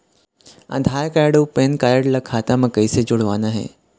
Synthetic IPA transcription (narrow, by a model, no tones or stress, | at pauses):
ã̰d̪ʱaɾkajɽopenkajəɽlakʰat̪amə̃kəjsed͡ʒʊɽʋanaɦḛ